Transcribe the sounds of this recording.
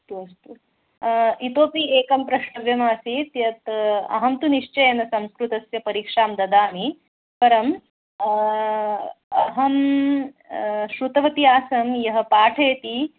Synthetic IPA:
st̪uɐst̪u | it̪oːpieːkɐmpɾɐʃɐʋjɐmaːsit̪jɐt̪ɐ̰ɦɐmt̪uniʂt͡ʃɐjɐnɐsɐmskɾut̪ɐsjɐpɐɾiːkʂaːmd̪ɐd̪aːmi | pɐɾɐm | ɐɦɐm | ʃɾut̪ɐʋɐt̪iaːsɐmjɐɦɐ̆paːʈʰeːt̪i

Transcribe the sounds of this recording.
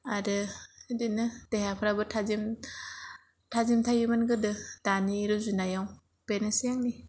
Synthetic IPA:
aɾɯdinɯd̥eɦapʰɾabɯtʰazim | tʰazimtʰajɯmanɡɯdɯd̥aniɾɯzunajaw | penesijaŋni

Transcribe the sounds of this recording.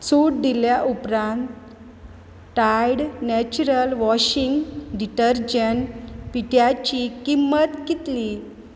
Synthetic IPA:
t͡suʈ̚d̪iljaʔupɾãnt̪ | ʈajɽnɛt͡ɕuɾəlʋɔɕiŋɡɖiʈəɾd͡ʑənpiʈjat͡ɕikimːət̪kit̪li

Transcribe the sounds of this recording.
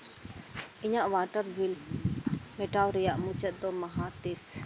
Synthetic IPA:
iɲaʔʋaːʈəɾbʱil | meʈawɾijaʔmut͡ʃət̪̚d̪omɐɦat̪es

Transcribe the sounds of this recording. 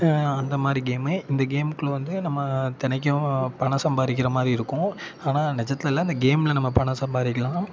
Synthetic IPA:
ɐnd̪ɐmaːd̪ɾiɡeːmɯɪnd̪ɐɡeːmkːɯɭɐʋɐnd̪ɯnɐmːɐt̪ɪnɐk̬ːɐ̃pɐɳɐsɐmbaːðɪk̬ːɪɾɐmaːd̪ɾiɪɾɯkːʊ̃aːnaːnɛt͡ʃɐt̪ːɪlɛlːaːɪnd̪ɐɡeːmlɐnɐmːɐpɐɳɐsɐmbaːðɪkːɐlãː

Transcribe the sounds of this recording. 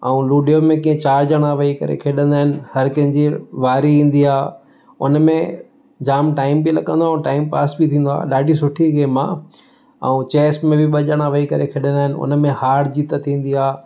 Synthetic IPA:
ɐũluːɖijomẽkĩːẽt͡ɕaːɾd͡ʑəɽ̃aʋɐikɐ̰ɾḛkʰeːɗə̃nd̪aːɦɪnɪ̆hɐɾkɐ̃ɦɪ̃ɲd͡ʑiʋaːɾiĩːn̆d̪iaː | ʊ̰nmẽ | d͡ʑaːmʈaːɪmbɪlɐɠə̃nd̪oaːũʈaːɪmpaːsbɪt̪ʰĩːn̆d̪oa̰ːɗaːɗisʊʈʰiɡeːmã̰ | ɐ̰ũt͡ɕeːsʈmẽbɪɓɐʄəɽ̃aʋɐikɐɾekʰeːɗə̃nd̪aːɦɪnɪ̆ʊ̰nmẽhaːɽd͡ʑiːt̪ət̪ʰĩːn̆d̪iaː

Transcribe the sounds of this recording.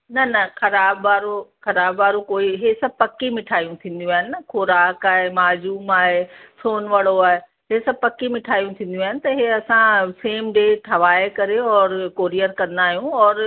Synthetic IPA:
nɐnɐxɐɾaːbʋaːɾoxɐɾaːbʋaːɾokoːiɦesɐb̚ʱpɐkːimɪʈʰaːijũt̪ʰĩːnd̪jũaːɦɪnɪnɐxʰoɾaːkaːɦemaːd͡ʑuːmaːɦesoːnʋɐɽoaːɦe | ɦesɐb̚pɐkːimɪʈʰaːijũt̪ʰĩːnd̪jũaːɦɪnɪ̆t̪ɐɦeɐsãseːmɖeːʈʰɐʋaːekɐɾeɔːɾkoːɾijəɾkɐ̃nd̪aːɦijũɔːɾ

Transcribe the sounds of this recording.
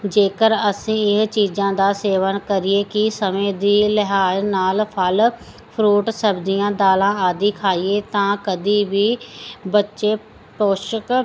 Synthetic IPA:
d͡ʒeːkəɾəsĩːɪɦt͡ʃiːd͡ʒãːd̪aːseːʋənkəɾieːkɪsəmẽːd̪iːləɦaːjnaːlpʰəl | pʰɾuːʈsəbd̪ijãːd̪aːlãːaːd̪iːkʰaːieːt̪ãːkəd̪iːbiːbətːʃeː | poːʃək

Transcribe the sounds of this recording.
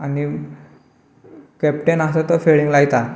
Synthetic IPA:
ani | kɛp̚ʈenast̪at̪əfeɭiŋɡlaɡt̪a

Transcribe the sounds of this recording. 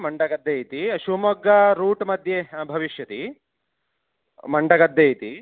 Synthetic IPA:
mɐɳɖɐɡɐd̪ːeːjt̪iʃumɐɡɐɾuːʈmɐd̪ʱjebʱɐʋiʃjɐt̪i | mɐɳɖɐɡɐd̪ːeːjt̪i

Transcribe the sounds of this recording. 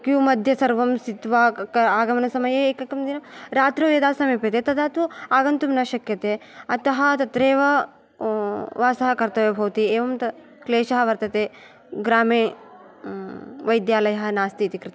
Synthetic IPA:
kjumɐd̪ʱjɐsɐɾʋɐmsit̪ʋaɐaːɡɐmɐnɐsɐmɐjeːekɐkɐmd̪inɐɾaːt̪ɾɐʋeːd̪aːsɐmiːpit̪eːt̪ɐd̪aːt̪uaːɡɐnt̪umnɐʃɐkjɐt̪eːɐt̪ɐɦɐt̪ɐt̪ɾeːʋɐ | ʋaːsɐɦɐkɐɾt̪ɐʋebʱɐʋt̪ieːʋɐmt̪ɐ | kleːʃɐɦɐʋɐɾt̪ɐt̪eː | ɡɾaːmeː | ʋɐjd̪jaːlɐjɐɦɐ̆naːst̪iːt̪ikɾɪt̪

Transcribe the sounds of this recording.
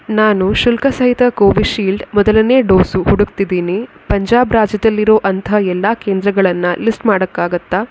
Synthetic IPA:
naːnuʃulkɐsɐɦit̪ɐkoːʋiʃiːlɖmɔd̪ɐlɐneːɖoːsuhuɽuɡt̪id̪iːni | pɐɲd͡ʒaːbɾaːd͡ʒjɐd̪ɐlːiɾo̞ːʔɐnt̪ɐɛlːaːkeːnd̪ɾɐɡɐɭɐnːɐlisʈmaːɽɐkːaːɡɐt̪ːaː

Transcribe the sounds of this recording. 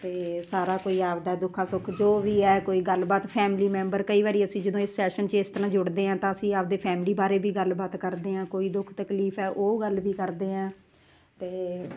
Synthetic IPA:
t̪eːsaːɾaːkoːiːaːpd̪aɛd̪ʊkʰãːsʊkʰd͡ʒoːʋiːɛːkoːiːɡəlbaːt̪pʰɛːmliːmɛ̃ːmbəɾkəiːʋaːɾiːəsĩːd͡ʒəd̪õːɪsːɛːʃənt͡ʃəɪst̪əɾãːd͡ʒʊɽd̪eːɦãːt̪ãːəsĩːaːp̚d̪eːpʰɛːmliːbaːɾeːbiːɡəlbaːt̪kəɾd̪eːɦãːkoːiːd̪ʊkʰt̪əkliːpʰɛːʔoːɡəlʋiːkəɾd̪eːãː | t̪eː

